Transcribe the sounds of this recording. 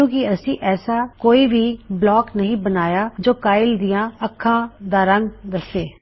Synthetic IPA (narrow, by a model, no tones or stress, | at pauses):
ũːkɪəsĩːʔɛːsaːkoːiːʋiːblɔːknəɦĩːbənaːjaːd͡ʒoːkaːɪld̪ijãːəkʰːãːd̪aːɾə̃ŋɡd̪əseː